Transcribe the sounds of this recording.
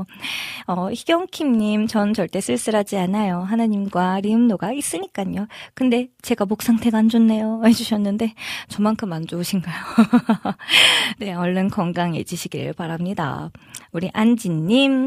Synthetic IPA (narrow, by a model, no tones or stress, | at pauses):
ʌçiɡjʌŋkʰimɲimt͡ɕʌnt͡ɕʌɭt͈e̞s͈ʰɯɭs͈ɯɾad͡ʑianajoɦanaɲimɡwaɾiɯmnoɡais͈ɯɲik͈aɲokɯnde̞t͡ɕe̞ɡamok̚s͈aŋtʰe̞ɡaːnd͡ʑonːe̞joed͡ʑuɕʰʌnːɯnde̞t͡ɕʌmaŋkʰɯmand͡ʑouɕʰinɡajo | ne̞ʌɭːʌnkʌŋɡaŋe̞d͡ʑiɕʰiɡiɾɯ̰ɭpaɾamɲida̰uɾiʔand͡ʑinːim